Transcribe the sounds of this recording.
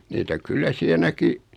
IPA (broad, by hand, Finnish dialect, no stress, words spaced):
niːtæ kylːæ siɛ næki